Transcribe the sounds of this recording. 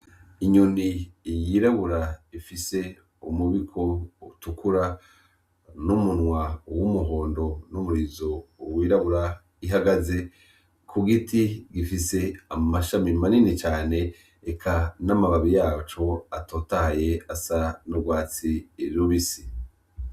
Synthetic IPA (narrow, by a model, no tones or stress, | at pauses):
iɲonijiɾaβuɾaifise̞ | umuβikʰo̞utukuɾa | numunwawumuɦo̞ːndo̞numuɾizoːwiːɾaβuɾa | iɦaɡaze̞ | kʰuɡitiɡifise̞amaʃamimaninit͡ʃaːne̞ː | kʰanamaβaβijaːt͡ʃo̞atoːtahaje̞asanuɡwaːt͡siɾiuβisi̥